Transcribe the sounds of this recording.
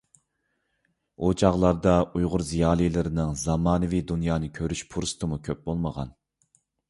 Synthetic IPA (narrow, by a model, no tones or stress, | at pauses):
ot͡ʃʰɑʁlˠɑɾd̪ɑujʁʊɾzijɑːlˠijlɪɾɪnɨŋzɑmɑːnɨvid̪unjɑːnɨkʲʰøɾyʃpʰuɾst̪ʰɨmukʲʰøp̚bolˠməʁɑ̰n